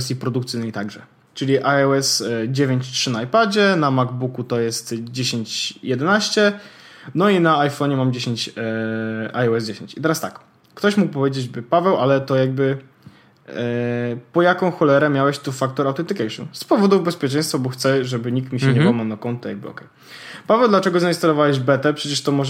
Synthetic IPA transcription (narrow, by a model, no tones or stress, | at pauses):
ɛst̪ʲipɾɔd̪ukt̪sɘjnəjt̪aɡʐɛ̰ | t͡ʂɘlʲiʔaɛɛsd͡ʑevʲjeɲt͡ɕtʂɘnaajpad͡ʑɛnamaɡbukut̪ɔjɛst̪d͡ʑeɕeɲt͡ɕjɛd̪ɛnaɕt͡ɕɛ | nɔinaːjfɔɲɛmamd͡ʑeɕeɲt͡ɕ | ʔajɔɛzd͡ʑeɕeɲt͡ɕit̪ɛɾast̪akː | t̪ɔɕmuk̚pɔvʲjed͡ʑed͡ʑbɘpavɛwʔalɛt̪ɔjaɡ̚bɘ | pɔjakɔ̃w̃xɔlɛɾɛmʲjawɛɕt̪ufak̚t̪uɾawt̪ɛnt̪ɘkɛjʂɔ̰nspɔvɔd̪uvbɛspʲjɛt͡ʂɛ̃j̃st̪fabɔxt̪sɛʐɛbɘɲik̚t̪mʲiɕɛɲɛbɔwmanakɔnt̪ːɔja̰ɡ̚bɘɔ̰kɛj | pavɛwd̪lat͡ʂɛɡɔzaĩst̪alɔvawɛʑbɛt̪ɛpʂɛt͡ɕɛʂt̪ɔmɔʐ